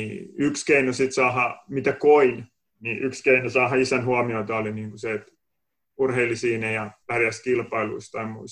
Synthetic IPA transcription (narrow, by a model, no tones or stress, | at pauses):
iykskeinosit̪sɑːhɑmit̪ækoin | niʔykskeinosɑːhɑisænhuɑmioit̪ɑoliniːŋkuset̪ | urheilːisiːnejɑʋærjæskilpɑilṵist̪ɑimuis